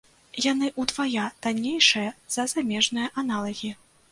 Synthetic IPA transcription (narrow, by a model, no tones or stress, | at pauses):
janɨʔud̪vajad̪anʲejʂɨjɐz̥ɐzamʲɛʐnɨjɐʔanalˠɐɣʲi